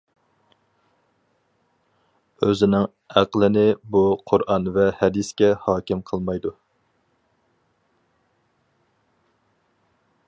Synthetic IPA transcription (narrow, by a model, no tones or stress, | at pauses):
øzɪnɪŋ | æqlˠɪnɪbuqʰʊɾʔɑnvɛhɛd̪iskʲɛhɑːkʲɪmqʰəlˠmɑjd̪u